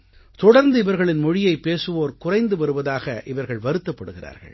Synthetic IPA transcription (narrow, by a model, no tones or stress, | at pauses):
t̪ɔɽɐɾnd̪ɯɪʋɐɾɣɐɭɪnmɔɻɪjɐɪpːeːsɯʋoːɾkʊrɐɪnd̪ɯʋɐɾɯʋɐðaːɣɐʔɪʋɐɾɣɐɭʋɐɾɯt̪ːɐpːɐɽɯɣɪra̰ːɾɣɐ̰ɭ